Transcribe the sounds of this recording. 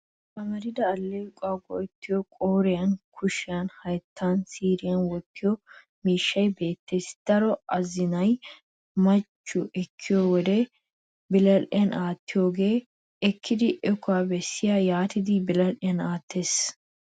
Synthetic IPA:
pɐmɐɾɪd̪ɐːlːeʊkʼaːɡɔ̰ɛt̪ːɪjɔkʼoːɾɪjɐnkʰʊʃɪjɐnhɐjt̪ːansiːɾɪjɐnwɔtʰːɪjɔ | miːʃːɐjbe̞ːt̪ːe̞ːsd̪̥ɐɾɔɐzɪnɐj | mɐt͡ʃːʊʔɛkʰːɪjɔwɔd̪ɛ | bɪlɐlʔɪ̰jɐnʔaːt̪ːɪjoːɡe̞ː | ɛkʰːɪd̪ɪʔɛkːʊwaːbɛsːɪjajaːt̪ɪd̪ɪbɪlɐlʔɪjɐnaːt̪ːe̞ːs

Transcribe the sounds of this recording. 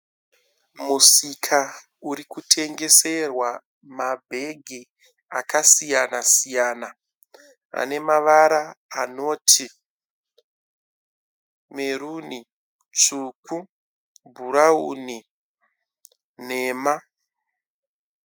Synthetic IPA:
musikʰa | uɾikutʰe̞ŋɡe̞se̞rwa | mabʱe̞ɡʱi | akasijanasijaːna | a̰ne̞maʋaɾaːno̞ːtʰi | me̞ɾuni | t͡suːku | bʱuɾauni | ne̞ːma

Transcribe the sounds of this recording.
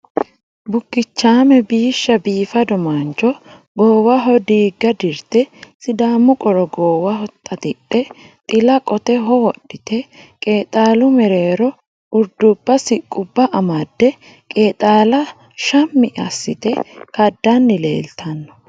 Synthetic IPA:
bʊkːɪt͡ʃːaːmɛbiːʃːɐbiːfɐd̪ɔmant͡ʃɔ | ɡoːwɐɦɔd̪iːɡːɐd̪ɪɾt̪ɛsɪd̪aːmːʊkʼɔɾɔɡoːwɐhɔt̪ʼːɐt̪ɪɗːɛ | t̪ʼɪlɐkʼɔt̪ɛɦɔwɔɗːɪt̪ɛkʼe̞ːt̪ʼaːlʊmɛɾe̞ːɾɔ | ʊɾd̪ʊbːɐsɪkʼːʊbːɐʔɐmɐd̪ːɛ | kʼeːt̪ʼaːlɐ | ʃɐmːɪɐsːɪ̰t̪ɛkɐd̪ːɐnːɪle̞̰ːlt̪ʰɐnːɔ̥

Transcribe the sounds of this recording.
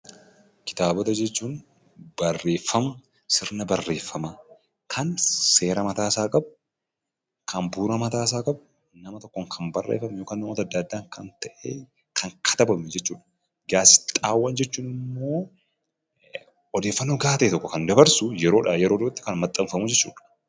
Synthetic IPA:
kɪ̥t̪aːbɔt̪ɐd͡ʒɛt͡ʃːuːn | bɐrːe̞ːfːɐmɐ | sɪɾnɐbɐrːe̞ːfːɐmɐ | kʰɐnse̞ːɾɐmɐt̪aːsaːkʼɐbʊ̥ | kʰɐnbuːɾɐmɐt̪aːs̬aːkʼɐbʊ | nɐmɐt̪ɔkːoŋkʰɐnbɐrːḛːfɐmjoːkaːnːɔt̪ɐd̪ːad̪ːaːŋkɐnt̪ɐʔe | kʰɐŋkʰɐ̥t̪ɐbɐmɛd͡ʒɛt͡ʃːuːᶑɐ̥ | ɡaːsɪ̥t̪ʼaːwːɐnd͡ʒɛt͡ʃːuːnɪmːo̞ː | ɔd̪e̞ːfːɐnːoɡaːt̪ɐʔɛt̪ɔkːɔkɐnd̪ɐbɐɾsʊjɛɾo̞ːᶑɐjɛɾoːd̪ɔbɐt̪ːɪ̥kɐnmɐt̪ʼːɐmfɐmud͡ʒɛt͡ʃːṵːᶑɐ̥

